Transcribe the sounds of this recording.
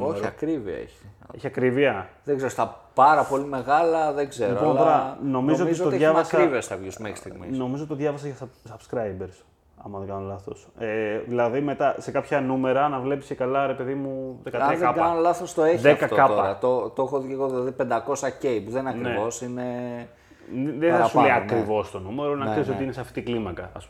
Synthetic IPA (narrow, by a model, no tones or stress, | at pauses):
oɐkɾiviɐ̰ḛçi̥eçiɐkɾiviɐðeɡzeɾost̪ɐpɐɾɐpo̞lime̞ɣalɐðeɡzeɾiopooɾɐno̞mizot̪ioʝɐvɐsɐɾiviɐsθɐvʝisumexɾi̥st̪iɣmḭsno̞mizot̪t̪oðʝɐvɐs̬ɐʝɐssɐb̥skɾɐjbeɾs | ɐ̰mɐðeŋɡɐnolɐθo̞seðilɐðime̞t̪ɐse̞kɐpçɐnume̞ɾɐnɐvle̞pisekɐlɐɾepe̞ðimuðekɐt̪ðɐɐnolaθost̪o̞eçðeɐkfkɐtkɐoɐɾɐt̪ot̪oexoðceɣoðilɐðipe̞nd̪ɐko̞sɐcejpuðeninɐkɾnevo̞sine | ðeθɐsuleiɐkkɾivo̞st̪o̞nume̞ɾonɐkseisot̪iineseɐft̪i̥t̪iklimɐkɐ̰ːsp